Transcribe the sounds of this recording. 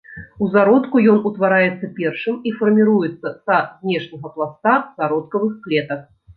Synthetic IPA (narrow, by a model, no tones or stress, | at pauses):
uzaɾɔt̪kujɔnut̪vaɾajɛt̪sːɐpʲɛrʂɨmifɐrmʲiɾujɛt̪sːɐsazʲnʲɛʂnʲɐɣɐplˠast̪azaɾɔt̪̚kɐvɨxklʲɛt̪ɐk